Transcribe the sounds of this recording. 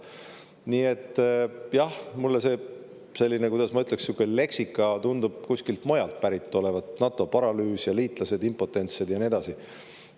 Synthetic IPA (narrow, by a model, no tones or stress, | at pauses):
niːe̞t̪ːjɑhmulːese̞ | se̞lʲːinekujd̥̪ɑsmɑyt̪ːˑleksːjukːˑele̞ksikːˑɑt̪und̪ub̥̚kusʲkilt̪mo̞jɑlt̪̚pæɾit̪ˑːo̞le̞vɑd̪nɑt̪ːˑo̞pɑɾɑlyːsjɑliːt̪ˑlɑse̞d̪impo̞t̪ːˑe̞nt̪sed̪jɑnie̞d̪̥ɑsi